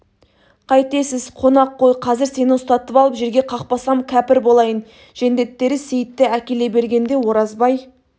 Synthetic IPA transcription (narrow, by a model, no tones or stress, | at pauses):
qʰɑjt̪e̞sɪzqʰo̞nɑqːo̞jqʰɑzɪɾse̞nɪŋʊst̪ɑt̪əpɑlˠəpʒe̞ɾɡʲe̞qʰɑqpɑsɑmkʲʰæpɪɾbo̞lˠɑjən | ʒ̥e̞nd̪e̞t̪ːe̞ɾɪse̞jɪt̪ːɪækʲe̞le̞be̞ɾɡʲe̞nd̪e̞wo̞ɾɑzbɑj